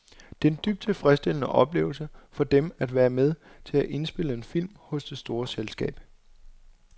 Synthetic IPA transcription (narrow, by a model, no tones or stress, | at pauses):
d̥e̝end̥yb̥̚d̥t͡sʰe̝lfʁɛsd̥e̝l̰ənəʔɒ̽b̥le̝ːʊlsəfɒ̽d̥emæd̥ʋæːɐmeð̞ˠt͡sʰe̝læʔe̝nsb̥e̝ləe̝nfil̰mhɔ̽sd̥e̝sd̥o̝ːɐselsɡ̥ɛ̰ːb̥̚